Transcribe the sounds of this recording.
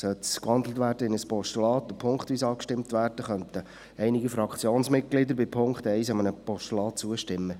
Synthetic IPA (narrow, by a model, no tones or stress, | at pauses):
sœskhɑnd̪l̩ətvʋæːɾdəɪnəspɔʃtulɑːt̪ːəpʰʊŋkχt̪ʋiːsɑːkʃtɪmt̪ʋæːrd̥əχœnt̪ə | ɛjnɪɡəfɾɑkχt͡sjoːnsmɪt̚ɡ̥lɪd̪əɾbɪpʰʊŋkχt̪ɛɪsɑmənəpɔʃtulɑːt̚t͡suəʃtɪmːə